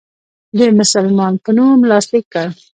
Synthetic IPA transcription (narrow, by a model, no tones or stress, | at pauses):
d̪emʊsalmɑnpənumlɑslɪkːa